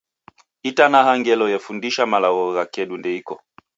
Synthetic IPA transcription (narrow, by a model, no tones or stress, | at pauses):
itanaɦaŋɡɛlɔjɛfundiʃamalaɣɔɣakɛɗundɛikɔ